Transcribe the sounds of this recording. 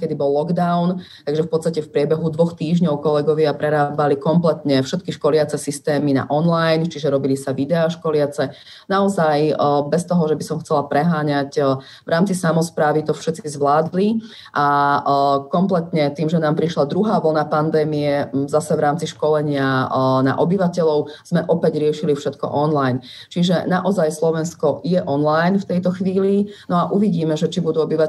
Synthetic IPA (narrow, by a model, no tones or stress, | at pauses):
kɛd̪ibɔlːɔɡd̪aʊnt̪aɡʒɛfpɔt̪st̪acɛfpɾɪɛbɛɦud̪ʋɔxt̪iːʒɲɔʊkɔlɛɡɔʋɪapɾɛɾaːbalikɔmplɛt̪ɲɛfʃɛt̪kiʃkɔlɪat͡sɛsist̪ɛːmina̰ʔɔnlajnt͡ʃiʒɛɾɔbilisaʋid̪ɛaʃkɔlɪat͡sɛ | naɔzajbɛst̪ɔɦɔʒɛbisɔmxt͡sɛlapɾɛɦaːɲac | vɾʔaːmt͡sisamɔspɾaːʋit̪ɔfʃɛt̪t͡sizʋlaːd̪li | ʔa | kɔmplɛt̪ɲɛt̪iːmʒɛnaːmpɾiʃlad̪ɾuɦaːʋl̩napand̪ɛːmiɛzasɛʋɾaːmt͡siʃkɔlɛɲɪana̰ʔɔbiʋacɛʎɔʊz̥mɛʔɔpɛɟɾɪɛʃilifʃɛt̪kɔ̰ʔɔnlajn | t͡ʃiʒɛ̰naʔɔzajslɔʋɛnskɔjɛʔɔnlajnft̪ɛjt̪ɔxʋiːlinɔaʔuʋiɟiːmɛʒɛt͡ʃibud̪uːɔbiʋa